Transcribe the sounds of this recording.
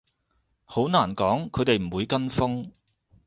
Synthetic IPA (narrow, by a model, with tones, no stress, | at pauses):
ho˨˥wnaː˨˩nkɔː˨˥ŋkʰɵ˨˧jt̪e˨jm̩˨˩wuː˨˧jkɐ˥nfʊ˥ŋ